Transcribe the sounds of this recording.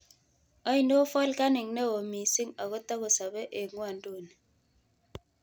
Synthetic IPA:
ɔ˦i˨ndo˦fɔ˦lka˦ni˨ŋne˦o˨mi˨si˦ŋa˨ko˦tɔ˦ko˨sa˨be˦ʔe˨ŋwa˦˨n˦do˦˨ne˨

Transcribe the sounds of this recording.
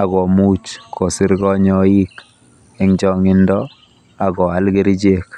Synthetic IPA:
a˨ɣɔ˨mu˦t͡ʃkʰːɔ˨sɪ˦ɾɡɔ˦ɲɔ˦i˦k | ɛ˦ŋd͡ʒɔ˦ŋɪ˦ndɔ˦ | a˨ɡɔ˨a˦lɡi˦ɾd͡ʒe˦k

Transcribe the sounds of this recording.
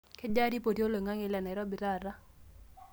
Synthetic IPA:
ke˦d͡ʒa˦ɾi˦po˨ti˦o˦lo˨ŋa˦ŋe˨lɛ˨nɛ˨ɾɔ˦bi˨ɾa˦˨ɾa˦

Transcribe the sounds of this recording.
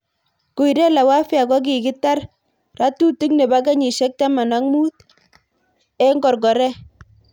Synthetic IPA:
ku˨i˨ɾɛ˦la˨wa˦fja˨kɔ˦k̬i˨ɡɪ˦ta˦r | ra˦tu˦ti˦kne˨ba˦ka˦ɲi˨ʃɛ˦k̚ta˦ma˨na˦ŋmu˦t | ɛ˦ŋɡɔ˨ɾɡɔ˨ɾɛ˦

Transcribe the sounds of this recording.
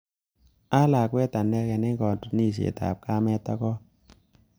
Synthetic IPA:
a˦la˨kwɛ˦ta˨nɛ˦kɛ˨ne˦ŋɡɔ˨ntu˨ni˦ʃ̬ḛ˨ta̰˨p̚ka˦mɛ˦ta˦kɔ˦

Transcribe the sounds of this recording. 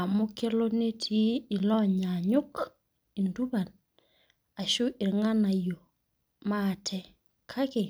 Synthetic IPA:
a˨mu˦ke˦lo˦ne˦tʰiː˦˨lɔ˦ɲa˨ɲu˦k | i˨ndu˦ba˨n | a˨ʃu˦ɪ˨ɾŋa˦na˨jo˨ | ma˦˨tʰɛ˨ | kʰa˦kɪ˨

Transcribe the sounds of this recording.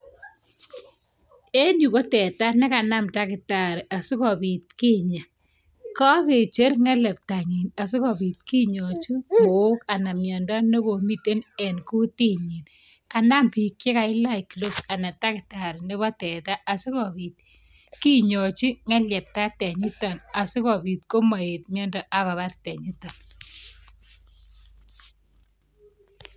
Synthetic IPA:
e˦nu˨kɔ˦tɛ˨ta˦nɛ˦ka˨na˦mta˦kɪ˨ta˨ɾa˨su˦kɔ˨bi˨t̪̚kɪ˦ɲa˨ | kɔ˦ke˨t͡ʃe˦rŋɛ˦lɛ˨p̚ta˨ŋi˨na˨s̬ʊ˦kɔ˨bi˨t̪̚ki˦ɲɔ˨t͡ʃi˦ko˨˦ka˨na˨mjɔ˨nda˦nɔ˦ko˨mi˦te˦nɛ˨nku˦ti˦ɲi˨n | ka˨na˦mpi˨kje˦ka˨ɪ˦la˦ɪ˨klo˦psa˨na˨ta˦kɪta˨ɾnɪ˦βɔ˦tɛ˨ta˦ʔa˨sɪ˦kɔ˨βi˨t̪̚ | ki˦ɲɔ˨t͡ʃi˦ŋɛ˦lɛ˨p̚ta˦tɛ˨ɲɪ˦tɔ˨na˨sɪ˦kɔ˨bi˨t̪̚ko˦ma˨et̪mjɔ˦ndɔ˦ʔa˦kɔ˨βa˦ttɛ˨ɲi˦tɔ˨n

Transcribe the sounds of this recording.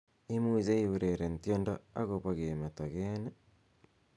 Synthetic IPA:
i˦mu˦ize˦iu˨ɾeɾe˨ntjo˦nda˦a̰˦ɣoβaɣeme˨ta˨ɣene

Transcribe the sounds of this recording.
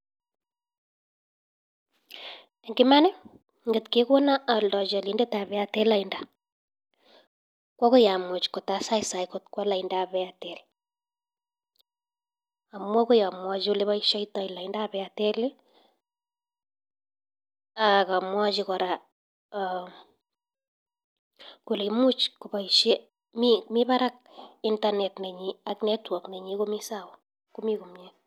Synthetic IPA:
e˨ŋɡɪma˦ne˦ | ŋɡə˨tke˦ko˦na˦a˨ldɔ˨t͡ʃɔ˨linde˦ta˨βɛatɛ˦la˨inda | kwɔ˦ko˦ja˨mo˨t͡ʃko˨ta˦sa˦jsa˨jkotkwa˦la˨indaβɛatɛ˨l | a˨mwɔ˦ko˦ja˨mwɔ˦d͡ʒiu˦le˦βa˦iʃɔ˦itɔ˨ila˨indaβɛatɛ˦li˦ | aka˨mwa˦d͡ʒikɔ˨ɾa | ko˨lemu˦t͡ʃku˨ba˨iʃe | mimiba˦ɾak̚intanɛtnɛ˨ɲiaknɛtwɔ˨knɛ˨ɲiko˦misawɔ | ku˦miku˨mɛ

